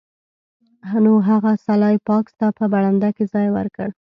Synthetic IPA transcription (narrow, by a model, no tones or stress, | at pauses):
ɦanoɦaɣasalɑjpɑkst̪apəbaɽand̪akezɑjwə̰ɾkəɽ